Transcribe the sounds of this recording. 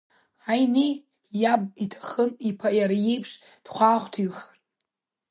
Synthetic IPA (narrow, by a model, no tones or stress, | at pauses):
ajne | jabitʰḁχənipʰajaɾajejpʰʂ | d̥χʷaːχʷtʰiɥχər